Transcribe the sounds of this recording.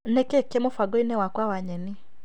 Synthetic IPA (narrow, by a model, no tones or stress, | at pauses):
nɛkekemofaɡoinɛwakwawaɲɛni